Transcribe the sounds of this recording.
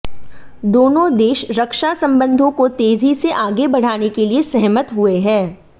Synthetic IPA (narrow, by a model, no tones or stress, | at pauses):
d̪oːnõd̪eːʃɾɐkʃasɐ̃mbə̃nd̪ʱõkot̪eːzʱiseʔaːɡebɐɽ̤aːnekeliesɛɦmət̪ɦʊeɦɛ̃ː